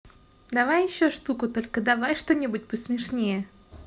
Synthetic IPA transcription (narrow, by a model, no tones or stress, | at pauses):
d̪ɐvajɪɕːoʂt̪ukʊt̪o̞lʲkəd̪ɐvajʂt̪o̞nʲɪbut̚ʲpəsmʲɪʂnʲejə